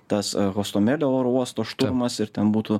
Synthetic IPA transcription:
t̪ɐsɣoɔst̪oːmʲeːlʲooːɾuɔst̪oːʃt̪ʊɾmɐsɪɾt̪ʲɛnbuːt̪uː

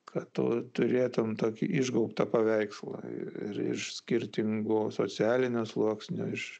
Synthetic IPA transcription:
kʰɐtto̰ːt̪ʊɾʲeːt̪ʊmt̪oːkʲɪ̰ʔɪʒɡɐʊpt̪ɐpɐʋʲɛɪkslˠɐ̰ɪ̰ɪ̰ɾɪ̰ʃsʲkʲɪɾʲt̪ʲɪŋɡoːso̰ːt͡sʲɪæːlʲɪnʲoːslˠuɔksʲnʲo̰ɪʃ

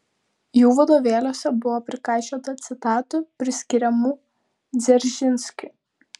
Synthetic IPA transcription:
juːʋɐd̪oːʋʲeːlʲoːsʲɛbʊʋoːpʲɾʲɪkɑˑɪt͡ʃʲoːt̪ɐt̪sʲɪt̪ɑːt̪upʲɾʲɪsʲkʲɪɾʲɛmuː | d̪zʲɛɾʲʒʲɪnʲsʲkʲʊ

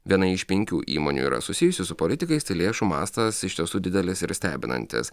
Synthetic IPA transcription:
ʋʲiɛnɐɪɪʃʲpʲɛŋʲkʲuːʔḭːmo̰ːnʲṵiːɾɐ̰sʊsʲɪjʊsʲɪsʊpoːlʲɪt̪ʲɪkɐɪst̪ɐɪlʲeːʃuːmɑ̰ːst̪ɐsɪʃt̪ʲiɛsuːd̪ʲɪd̪ʲɛlʲɪsɪɾsʲt̪ʲæːbʲɪnɐ̰nʲt̪ʲɪ̰s

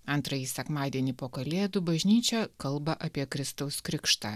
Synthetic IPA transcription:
ɐnt̪ɾɐjiːsʲɛkmɑːd̪ʲiɛnʲiːpoːkɐlʲeːd̪ʊbɐʒʲnʲiːt͡ʃʲɛkɐlˠbɐʔɐpʲiɛkɾʲɪst̪ɐʊskɾʲɪkʃt̪ɑː

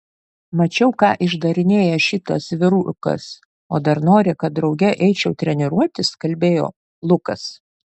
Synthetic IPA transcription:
mɐt͡ʃʲɛʊkɑːʔɪʒd̪ɐɾʲɪnʲeːjɛʃʲɪt̪ɐ̰sʋʲɪɾuːkɐ̰s | o̰ːd̪ɐɾnoːɾʲɪkɐt̪̚d̪ɾɒʊɡʲɛʔɛɪt͡ʃʲɛʊt̪ʲɾʲɛnʲɪɾuɔt̪ʲɪskɐlʲbʲeːjo̰ː | lˠʊkɐs

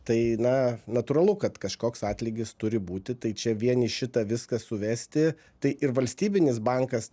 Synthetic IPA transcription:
t̪ɐɪnɐnɐt̪uːɾɐlˠʊkɐt̪kɐʃkoːksɑːt̪ʲlʲɪɡʲɪst̪ʊɾʲɪbuːt̪ʲɪt̪ɐɪt͡ʃʲɛʋʲiɛnɪʃʲɪt̪ɐʋʲɪskɐsʊʋʲæːsʲt̪ʲɪ | t̪ɐɪʔɪɾʋɐlʲsʲt̪ʲiːbʲɪnʲɪsbɑŋkɐs

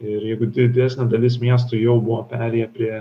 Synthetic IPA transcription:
ɪɾjɛɪɡʊd̪ʲɪd̪ʲæːsʲnʲɛd̪ɐlʲɪsmʲiɛs̬t̪ʊɪjɛʊbʊʋoːpʲæːɾʲɛːjɛpʲɾʲiɛ

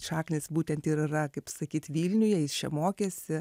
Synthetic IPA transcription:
ʃɑːknʲɪːsbuːt̪ʲɛnt̪ɪɾɪrɐkɐɪpsɐkʲiːt̪ʋʲiːlʲnʲʊjɛjɪst͡ʃʲɛ̰moːkʲesʲɪ

